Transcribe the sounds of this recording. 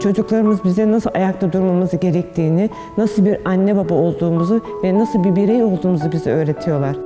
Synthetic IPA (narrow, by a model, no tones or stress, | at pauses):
t͡ʃʰo̞d͡ʒuklˠaɾɯmɯzbizd̪ɛnasɯlˠajakt̪ʰad̪uɾmamɯzɯɟe̞ɾɛc̚t̪ʰiːnɪ | nasɯlˠbiɾanːɛbabao̞lˠd̪uːmuzu | vɛnasɯlˠbiɾbiɾejo̞lˠd̪uːmuzɯbiziø̞ːɾe̞t̪ʰijo̞lˠaɾ̥